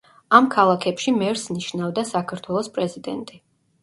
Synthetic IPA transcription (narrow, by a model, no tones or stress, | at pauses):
amkʰalˠakʰɛpʃimɛɾsniʃnavd̪asakʰaɾt̪ʰwɛlˠɔspʼɾɛzid̪ɛnt̪ʼi